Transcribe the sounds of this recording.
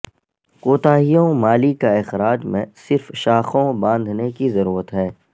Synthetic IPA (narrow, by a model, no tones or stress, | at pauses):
koːt̪aːɦijõmaːlikaɪxɾaːd͡ʒmḛ̃sɪɾfʃaːxõbãːnd̪ʱnekizɐɾuːɾət̪ɦɛː